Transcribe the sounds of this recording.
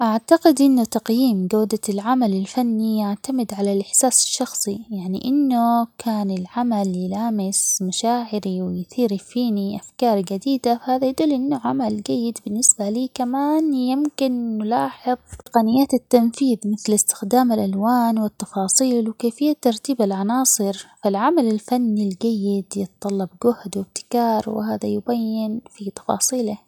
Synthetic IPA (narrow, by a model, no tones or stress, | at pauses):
ʔaʕt̪aɡɪd̪ʔɪnːʊt̪ɑqjiːmɡaːd̪alʕamalɪlfanːijaʕt̪amɪd̪ʕalalʔɪħsaːsɪ̥ʃːɑxsˤijaʕnḭʔɪnːʊkʰaːnɪlʕamaljlaːmɪsmaʃaːʕɪɾiwɪjθiːɾifiːniʔafkɑːɾˤɡad̪iːd̪afahaːðajd̪uːlːʔɪnːʊʕamald͡ʒajːɪd̪bɪnːɪsbaliːkamaːnjɪmkɪnːʊlɑːħɪðˤt̪ɪ̥qɑnɪjːaːt̪ɪt̪ːanfiːðmɪθlɪst̪ɪ̥xd̪aːmɪlʔalwaːnwɪt̪ːɑfɑːsˤiːlwkeːfɪjːat̪ːɑɾˤt̪iːbalʕɑnɑːsˤɨɾfalʕamalɪlfanːild͡ʒajːɪd̪jɨt̪t̪ˤːɑlːɑbɡʊhd̪wɪb̚t̪ɪ̥kɑːɾˤwɪ̰haːðajʊbajːɪnfit̪ɑ̥fɑ̰ːsˤiːlɪ